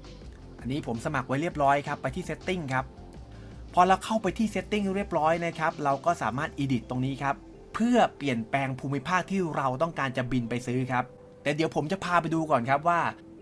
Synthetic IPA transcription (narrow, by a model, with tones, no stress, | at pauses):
ʔa˧nːiː˦˥pʰo˩˦msa˧ma˨˩k̚wa˦˥jɾi˥˩əp̚ɾɔː˦˥jkʰa˦˥pːa˧jt̪ʰiː˥˩se˦˥t̪ːi˥˩ŋkʰa˦˥p̚ʰː | ɔː˧ɾa˧wkʰa˥˩wpa˧jt̪ʰiː˥˩se˦˥t̪ːi˥˩ŋɾi˥˩əp̚ɾɔː˦˥jna˦˥kʰa˦˥p̚ɾa˧wkɔː˥˩saː˩˦maː˥˩t̪̚ʔiː˧di˨˩t̪ːo˧ŋniː˦˥kʰa˦˥pʰː | ɯ˥˩ɐpli˨˩ənpɛː˧ŋpʰuː˧mi˦˥pʰaː˥˩k̚t̪ʰiː˥˩ɾa˧wt̪̬ɔ˥˩ŋkaː˧nt͡ɕa˨˩bi˧npa˧jsɯː˦˥kʰa˦˥p̚ | t̪ɛː˨˩di˨˩˦əwpʰo˩˦mt͡ɕa˨˩pʰaː˧p̬a˧jduː˧kɔː˨˩nkʰa˦˥p̚waː˥˩